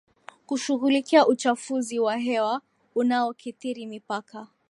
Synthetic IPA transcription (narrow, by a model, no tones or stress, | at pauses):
kuʃuɣulikiaʔut͡ʃafuziwaɦɛwa | unaɔkiθiɾimipaka